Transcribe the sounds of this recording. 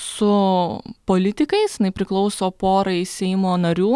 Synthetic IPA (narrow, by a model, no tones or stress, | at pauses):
sʊpoːlʲɪt̪ʲɪkɐɪsjɪnɐɪpʲɾʲɪklˠɒʊsoːpoːɾɐɪsʲɛɪmoːnɐɾʲuː